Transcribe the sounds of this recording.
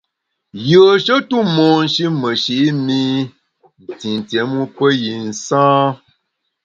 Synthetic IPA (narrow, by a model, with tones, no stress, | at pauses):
jə˨ʃə˦tu˦mɔ˨n̩˨ʃi˦mə˨ʃi˨˦mi˦ | n̩˨ti˨n˨tjɛ˨˦mu˦pə˦ji˨n̩˨sãː˦